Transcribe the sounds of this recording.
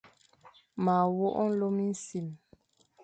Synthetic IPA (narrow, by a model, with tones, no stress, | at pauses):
ma˨wo˦ʔɔ˦n̩˦lo˦mi˦n̩˦si˨m